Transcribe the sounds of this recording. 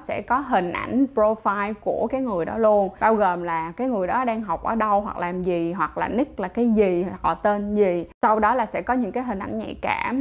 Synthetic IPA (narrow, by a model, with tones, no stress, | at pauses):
sɛ̰˧˥kɔ˨˦ɦï˨˩ŋ̟ʔa̰˧˩jŋ̟pɾo˧faː˧jku˧˩əkaː˨˦jŋɨ˨˩əjɗɔ˨˦lu˧ənɓaː˧wɣoː˨˩mlaː˨˩kaː˨˦jŋɨ˨˩əjɗɔ˨˦ɗaː˧ŋɦa˨˩wk͡p̚ʔəː˧˩ɗə˧wɦwa̰˨˩k̚laː˨˩mzi˨˩ɦwa˨˩k̚la̰ː˨˩nɨ˦˥k̚laː˨˩kaː˨˦jzi˨˩hɔ̰˧˨t̪e˧nzi˨˩sa˧wɗɔ˨˦laː˨˩sɛ̰˧˥kɔ˨˦ɲɨ̰˧˥ŋkaː˨˦jɦï˨˩ŋ̟ʔa̰˧˩nɲɛ̰˧˨kaː˧˩